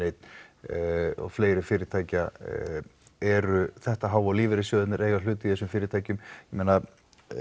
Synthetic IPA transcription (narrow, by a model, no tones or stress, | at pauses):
ejt̪n | ɔ̰fleːjɾɪfɪːɾɪt̪ʰaːjca | ɛɾʏθɛht̪aɦaːwaliːvɪɾɪsjœːðʏt̪nɪɾejɣal̥ʏːt̪ʏiθɛsʏmfɪːɾɪt̪ʰaːjcʏmjɛmeːna